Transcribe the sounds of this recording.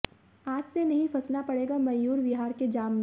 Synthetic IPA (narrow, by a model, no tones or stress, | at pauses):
aːd͡ʒsenɐɦĩfʰɐsnapɐɽeːɡamɐjuːɾʋɪɦaːɾked͡ʒaːmːe